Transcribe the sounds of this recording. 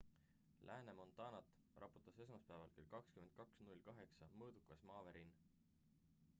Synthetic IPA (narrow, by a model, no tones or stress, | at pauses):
lʔæːnemo̞nt̪ɑːnɑt̪ːˑ | rʔɑpu̥t̪ːˑɑse̞s̬mɑspæːvɑ̰lkelkɑkskymen̚kɑksnulʲkɑɦe̞ksɑmɤːd̪̥ukːˑɑsmɑːveɾin